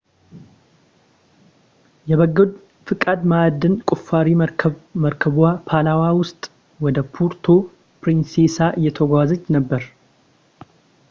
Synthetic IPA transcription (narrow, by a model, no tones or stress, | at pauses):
jɛβəɡːɨd̪ | fɨkʼad̪mad̪ɨnkʼufːaɾiməɾkʰəβapʰalawawʊst̪ʼ | wɔd̪əpʰuɾt̪ʰo | pɾinsesaʔɨjːɛt̪ʰəɡʷazət͡ʃːnəbːəɾ